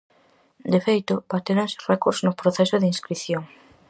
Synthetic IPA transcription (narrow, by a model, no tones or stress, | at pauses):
d̪efejt̪obat̪eɾaŋsrɛkoɾznopɾoθɛsoðeinskɾiθjoŋ